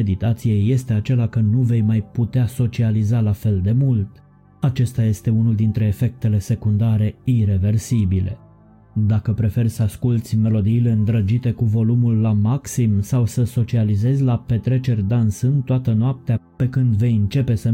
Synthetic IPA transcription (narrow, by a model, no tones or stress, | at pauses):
ed̪it̪at̪sije̞jːe̞st̪e̞at͡ʃe̞lakənuve̞jmajput̪easo̞t͡ʃializalafe̞ld̪e̞mult̪ | at͡ʃe̞st̪aje̞st̪e̞unuld̪int̪ɾe̞ːfe̞k̚t̪e̞le̞se̞kund̪aɾe̞iɾe̞ve̞rsibile̞̰ | d̪akəpɾe̞fe̞rʲsəaskult̪sʲme̞lo̞d̪iːle̞ɨnd̪ɾəd͡ʒit̪e̞kuvo̞lumulːamaksimsawsəso̞t͡ʃialize̞zʲlape̞t̪ɾe̞t͡ʃe̞rʲd̪ansɨnt̪oat̪ənoap̚t̪eape̞kɨnd̪ve̞jɨnt͡ʃe̞pe̞sə